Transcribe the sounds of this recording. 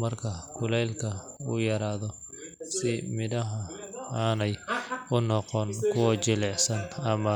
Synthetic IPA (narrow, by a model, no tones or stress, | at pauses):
mɐrkʰɐkʰʊlɛːlkʰɐ | ujɐɾaːðɔ | sɪmɪðɐɦɐaːnɛjʊnɔqɔnkʰʊwɐt͡ʃɪlɛʕsɐnɐmɐ